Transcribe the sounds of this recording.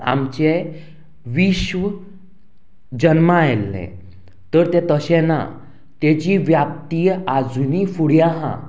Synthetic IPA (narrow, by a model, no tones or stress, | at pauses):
a̰mt͡ɕe | ʋiɕʋə | d͡ʑənmaajlːɛ̰̃ | t̪əɾt̪et̪əɕɛna̰ | t̪et͡ɕiʋjap̚t̪ijad͡zunifuɽjaɦã̰